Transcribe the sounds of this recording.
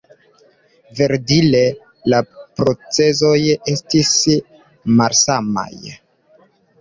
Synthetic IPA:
ve̞ɾdile | lapɾo̞t͡se̞zo̞je̞stis | maɾsama̰j

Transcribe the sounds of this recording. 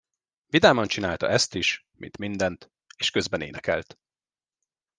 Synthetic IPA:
vid̪aːmɒnt͡ʃinaːlt̪ɒ̰ʔɛst̪iʃ | mḭnt̪mind̪ɛnt̪ | eːʃkøzbɛnḛːnɛkɛlt̪

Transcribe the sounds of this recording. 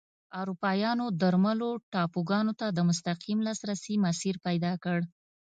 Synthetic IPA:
aɾupɑjɑnod̪aɾmaloʈɑpoɡɑnot̪ad̪əmʊst̪aqʰimlɑsɾasimasiɾpajd̪ɑkəɽ

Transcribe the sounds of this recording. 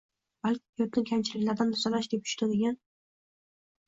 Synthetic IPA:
b̥alkʲɪjot̪nɪkʲʰamt͡ʃʰɪlɪkʲlaɾd̪and̪ʊsalaʃd̪e̞p̚ʊ̥ʃt̪ad̪ɪɡʲan

